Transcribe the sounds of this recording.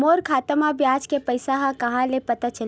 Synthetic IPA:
moːɾkʰaːt̪əmãbjaːd͡ʒkepəɪsaɦãkɐɦãlepɐt̪at͡ʃəl

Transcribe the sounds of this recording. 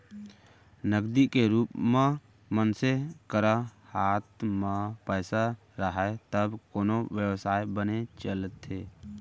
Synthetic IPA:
nəɡd̪ikeɾuːpmẽ | mənsekəɾahaːt̪mãpəːsa | ɾəɦet̪əbkoːnoʋjəwsaːebənet͡ʃəlt̪eː

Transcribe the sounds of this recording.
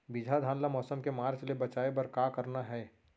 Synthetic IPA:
bɪd͡ʒʱad̪ʱaːnlamɔːsəmkemaːɾt͡ʃlebɐt͡ʃaːebɐɾkaːkəɾnaɦɛː

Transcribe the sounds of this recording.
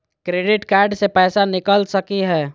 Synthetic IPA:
kɾeːɖɪʈkɛːɾɖsepɛːsanɪkəlsəkiɦɛː

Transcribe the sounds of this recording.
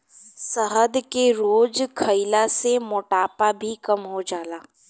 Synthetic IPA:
səɦəd̪keɾoːd͡ʒkʰəɪlasemʊːʈaːpabʱikɐmɦod͡ʒaːlaː

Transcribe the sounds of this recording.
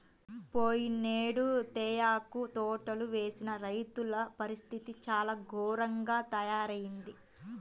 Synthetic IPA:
poːjineːɽut̪ɛːjaːkut̪ɔːʈɐluʋeːsinɐɾɐjt̪ulɐpɐɾist̪ʰit̪it͡ʃaːlaːɡʱɔːɾɐŋɡaːt̪ɐjaːɾɐjind̪i

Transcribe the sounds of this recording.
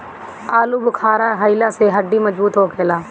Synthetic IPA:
aːluːbʊkʰaːɾaːɦəilaːseɦəɖːiːməd͡ʒbuːt̪ɦoːkʰeːlaː

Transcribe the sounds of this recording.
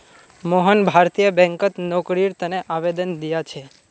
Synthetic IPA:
moɦənbʱaɾt̪ijəbɛ̃ŋkət̪nɔkɽiɾt̪əneʔaʋed̪ənd̪ijat͡ʃʰe

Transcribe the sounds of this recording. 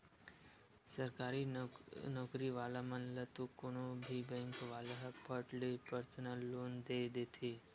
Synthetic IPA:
səɾkaɾinɔkɾiʋalamənlət̪ukoɳobʱibɛ̃ŋkʋaləɦpəʈlepəɾsənəlːond̪ed̪et̪ʰi

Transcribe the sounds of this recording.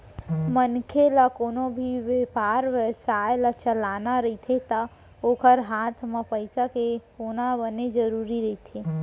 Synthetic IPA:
mənkʰelakoːnobʱiʋepaɾʋesajlat͡ʃəlanaɾəɦit̪ʰet̪a | oːkʰəɾɦat̪ʰmepəɪsakeonabəned͡ʒəɾuːɾiɾəɦit̪ʰe

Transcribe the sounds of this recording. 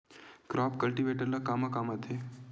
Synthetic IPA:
kɾɔpkəlʈiʋeʈəɾlakamakamət̪ʰe

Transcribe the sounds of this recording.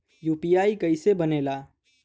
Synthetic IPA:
juːpiaːikəɪsebəneːla

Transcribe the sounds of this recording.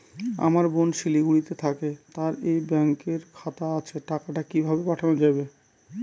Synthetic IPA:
a̰maɾbonʃiliɡuɽit̪et̪ʰaket̪aɾejbɛŋkeɾkʰat̪aat͡ɕʰeʈakaʈakibʱabepaʈʰanod͡ʑabe

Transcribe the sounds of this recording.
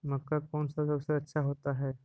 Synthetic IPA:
məkːakɔːnsasəbseɐtːʃʰaɦoːt̪aɦɛː

